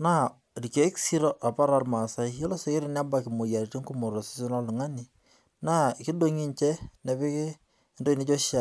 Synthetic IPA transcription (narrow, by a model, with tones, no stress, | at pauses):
na˦ | ri˨ke˨˦ksi˦ɾo˦ʔa˨pa˦ɾa˦rma˨sa˦jo˦lo˦se˨ke˦ɾɪ˦n˦a˦ba˨kɪ˨mo˨ja˨ɾti˦ŋku˦mo˨ɾo˨sɪ̥˦sɪ˦nɔ˦lʊ˨ŋa˦ni˨ | na˦˨kɪ˦do˦ŋi˦nt͡ʃɛ˦nɛ˨pɪ˦kɪ˦ | ndo˦i˨ni˦t͡ʃo˦ʃa˨